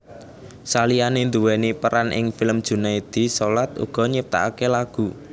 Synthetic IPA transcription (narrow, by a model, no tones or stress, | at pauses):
salijanend̪ṳwɛnipəɾanʔɪ̰ŋfɪləmd̥ʒ̥ṳnaid̪̥isolat̪ṵɡ̥ɔ̤ɲəp̚t̪a̰akelaɡ̥ṳ